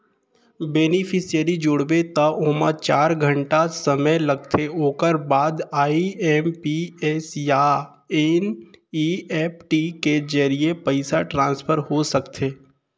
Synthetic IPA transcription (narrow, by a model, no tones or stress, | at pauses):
beːnipʰɪsijəɾid͡ʒʊɽbet̪ɐʊːmat͡ʃaːɾɡʱə̃ɳʈasɐməlɐɡt̪ʰeoːkəɾbaːd̪aːiɛmpiɛsja | eniɛːpʰʈiked͡ʒəɾiepəɪsaʈɾãːnspʰəɾɦosɐkt̪ʰeː